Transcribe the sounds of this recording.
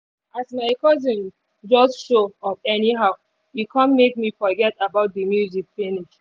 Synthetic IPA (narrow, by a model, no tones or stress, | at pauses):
asmaɪkɔzĩn | d͡ʒɔsʃoɔfɛniɦaʊ | jukʰãnmek̚mifɔɡɛtabaʊt̚dəmjuzikfiniʃ